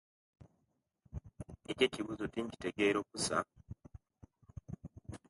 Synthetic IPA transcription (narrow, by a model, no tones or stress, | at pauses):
ece̞ciβuzo̞tiɲci̥te̞ɡe̞ːɾo̞ːkusa̰